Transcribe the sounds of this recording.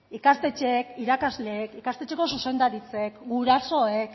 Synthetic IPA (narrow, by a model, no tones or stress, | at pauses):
ikast̪e̞t͡ʃe̞kiɾakazle̞ːkikast̪e̞t͡ʃe̞ko̞suse̞nd̪aɾit͡se̞kɡuɾaso̞ek